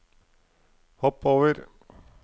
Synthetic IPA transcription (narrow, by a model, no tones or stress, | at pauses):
hɔpːoːʋəɾ